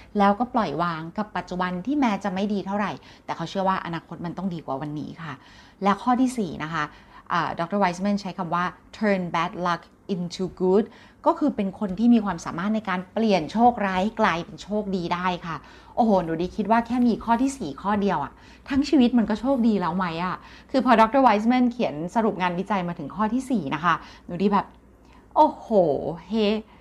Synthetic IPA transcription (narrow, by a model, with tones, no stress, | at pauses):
lɛː˦˥wkɔː˥˩plɔ˨˩jwaː˧ŋka˨˩pːa˨˩t̪̚t͡ɕu˨˩ba˧nt̪ʰiː˥˩mɛː˦˥t͡ɕa˨˩ma˥˩jdiː˧t̪ʰa˥˩wɾa˨˩j | t̪ɛː˨˩kʰa˦˥wt͡ɕʰɯ˥˩ɐwaː˥˩ʔa̰˧naː˧kʰo˦˥t̪̚ma˧nt̪ɔ˥˩ŋdiː˧kwa̰˨˩wa˧nːḭː˦˥kʰa˥˩ | lɛ˦˥wkʰɔː˥˩t̪ʰiː˥˩siː˨˩nʔa˦˥kʰa˦˥ʔə̰ː˨˩dɔ˧˦˥k̚t̪ɤː˥˩wa˦˥jsmɛ˥˩nt͡ɕʰa˦˥jkʰa˧mwaː˥˩t̪ʰɤː˧nbɛː˦˥t̪̚la˦˥k | ʔi˧nt͡ɕʰuː˧ɡuː˦˥t̪̚ | kɔː˥˩kʰɯː˧pe˧nkʰo˧nt̪ʰiː˥˩miː˧kʰwaː˧msa̰ː˩˦maː˥˩t̪̚na˧jkaː˧npli˨˩ənt͡ɕʰoː˥˩k̚ɾaː˦˥jhklaː˧jpe˧nt͡ɕʰoː˥˩k̚diː˧daː˥˩jkʰa˥˩ | ʔoː˧˩hoː˧˩nuː˨˩˦diː˨˧kʰi˦˥t̪̚waː˥˩kʰɛː˥˩miː˧kʰɔː˥˩t̪ʰiː˥˩siː˨˩kʰɔː˥˩di˧əwʔa̰˨˩ | t̪ʰa˦˥ŋt͡ɕʰiː˧wi˦˥t̪̚ma˧nkɔː˥˩t͡ɕʰoː˥˩k̚diː˧lɛː˦˥wma˦˥jʔa˧˩kʰɯː˧pʰɔː˧dɔː˦˥k̚t̪ɤː˥˩wa˦˥js̬mɛ˥˩nkʰi˩˦ənsa˧ɾu˨˩p̚ŋaː˧nwi˦˥t͡ɕa˧jmaː˧t̪ʰɯ˨˩˦ŋkʰɔː˥˩t̪ʰiː˥˩siː˨˩na˦˥kʰa˦˥duː˨˦diː˧˩bɛː˨˩p̚ | ʔoː˧˩hoː˨˩he˦˥˩